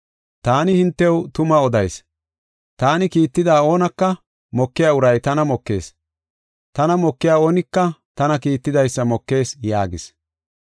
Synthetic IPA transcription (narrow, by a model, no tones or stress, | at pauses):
t̪aːnɪhɪnt̪ːɛwt̪ʊmɐɔd̪ɐjs | t̪aːnɪkiːt̪ːɪd̪aːo̞ːnɐkːɐ | mɔkːɪjaːʊɾɐjt̪ɐnɐmɔkːe̞̰ːs | t̪ɐnɐmɔkːɪjaːo̞ːnɪkːɐt̪ɐnɐkiːt̪ːɪd̪ɐjsːɐmɔkːe̞ːsjaːɡɪs